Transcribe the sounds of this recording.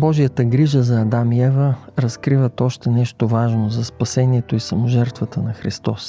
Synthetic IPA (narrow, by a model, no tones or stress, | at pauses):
bɔʒijət̪əɡɾiʒəzɐːd̪amiɛvəɾɐskɾivət̪ɔʃt̪ɛnɛʃt̪ovaʒnozɐspɐsɛniɛt̪oisɐmoʒɛɾt̪vət̪ənɐxɾist̪ɔs